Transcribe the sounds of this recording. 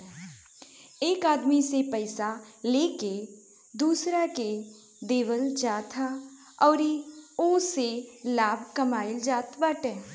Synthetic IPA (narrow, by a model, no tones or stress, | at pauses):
eːkaːd̪misepəɪsa | leːke | d̪uːsɾake | d̪eːʋəld͡ʒaːt̪ʰa | ɔːɾioːselaːb̚ʱkəmaːɪld͡ʒaːt̪bəʈɛː